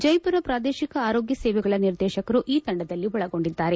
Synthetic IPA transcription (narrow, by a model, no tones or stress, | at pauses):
d͡ʒɐjpuɾɐpɾaːd̪eːʃikɐaːɾo̞ːɡjɐsɛːʋɛɡɐɭɐniɾd̪ɛːʃɐkɐɾuʔiːt̪ɐɳɖɐd̪ɐlːiʋɔɭɐɡo̞ɳɖid̪ːaːɾe̞